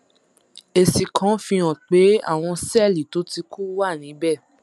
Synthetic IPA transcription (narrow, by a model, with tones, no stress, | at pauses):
e˨si˨kʰã˨˦fĩ˧ã˨k͡pe˨˦a̰˦˨w̃ɔ̃˧sɛ˦˨li˨to˨˦ti˧ku˦wa˦˨nĩ˨˦bɛ˦˨